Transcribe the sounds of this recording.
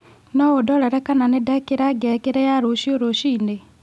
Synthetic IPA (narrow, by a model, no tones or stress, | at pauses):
nɔodɔɾɛɾɛkananedakeɾaɡɛkeɾɛjaɾoʃioɾoʃiːne